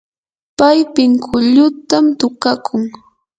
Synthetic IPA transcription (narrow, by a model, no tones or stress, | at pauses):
pajpɪŋkʰʊʎʊt̪amt̪ʊkakʰʊŋ